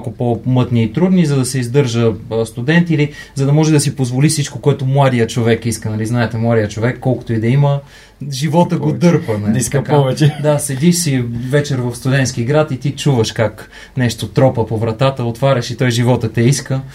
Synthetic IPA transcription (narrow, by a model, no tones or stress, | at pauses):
kʊpomɤt̪niːt̪ɾud̪nizɐd̪ɐsɛizd̪ɤɾʒəst̪ud̪ɛnt̪iilizɐd̪ɐmɔʒɛd̪ɐsipozvolifsit͡ʃkokoɛt̪omlˠad̪ijət͡ʃovɛkiskənɐliznaɛt̪ɛmlˠad̪ijət͡ʃovɛkːɔlˠko̥t̪oid̪ɐimə | ʒivɔt̪əɡod̪ɤɾpənɐlisk̪ɐkaɔvɛt͡ʃɛd̪asɛd̪iʃsivɛt͡ʃɛɾvɐfst̪ʊd̪ɛnt̪skiɡɾat̪it̪it͡ʃuvəʃkak | nɛʃt̪ot̪ɾɔpəpovɾɐt̪at̪əot̪vaɾʲɐʃit̪ɔjʒivɔt̪ət̪ɛiskə